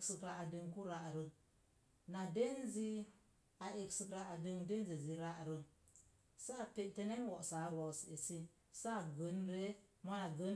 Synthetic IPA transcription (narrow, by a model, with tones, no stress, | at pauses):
ksə˨kɾa˨a˨də˨ŋku˦ɾa˨ʔɾə˦ | na˨de˦nzi˦ | a˨ʔe˨ksi˨kɾa˨ʔa˨də˨ŋde˦n˦zi˨zi˨ɾa˦ʔɾə˦ | sa˦˨pe˨ʔte˦ne˦wɔ˨ʔsa˨˦ɾo˨se˨si˦ | sa˦˨ɡə˨˦nɾe˦ma˦na˨ɡə˦n